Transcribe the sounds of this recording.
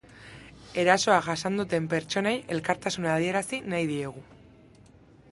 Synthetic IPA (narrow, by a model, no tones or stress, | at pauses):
e̞ɾaso̞aɣasand̪ut̪e̞mpe̞ɾt͡ʃo̞neje̞lkaɾt̪asunað̞ie̞ɾasinajð̞ie̞ɣ̞u